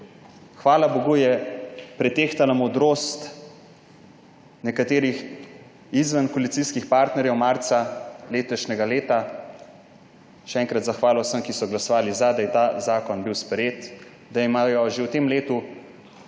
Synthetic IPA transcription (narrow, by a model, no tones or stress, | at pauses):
xʋaːlaboɡujɛpɾɛt̪eːxt̪alamɔd̪ɾoːst̪ | nɛkat̪eːɾix | izʋənkɔlit̪siskixpaːɾt̪nɛɾjɛwmaɾt̪saleːt̪ɔʃnɛɡaleːt̪a | ʃɛɛːŋkɾat̪zaxʋaːlɔwsəmkisɔɡlasɔʋaːlizad̪ajɛt̪azaːkɔnbiwspɾɛjeːt̪ | d̪aimaːjɔʒewt̪emleːt̪u